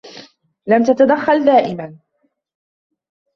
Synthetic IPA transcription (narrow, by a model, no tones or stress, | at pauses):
lamt̪at̪ad̪axːald̪aːʔɪman